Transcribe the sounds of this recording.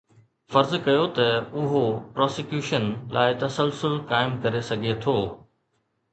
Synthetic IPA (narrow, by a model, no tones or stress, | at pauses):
fɐɾzkɐjot̪ɐʊɦopɾɔːsɪkjuːʃənlʔa̰ːɪt̪ɐsəlsʊlkaːɪmkɐɾesɐɡʱet̪ʰoː